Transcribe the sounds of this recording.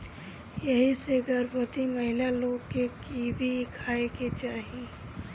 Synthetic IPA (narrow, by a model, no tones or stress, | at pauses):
jɐɦiseɡəɾbot̪imɐɦɪlaloːɡkekibʱikʰaːeket͡ʃaːɦi